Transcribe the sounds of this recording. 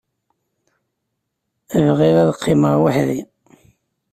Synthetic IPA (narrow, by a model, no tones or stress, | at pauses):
əvʁiɾæðəqʰːɪməʁwaħði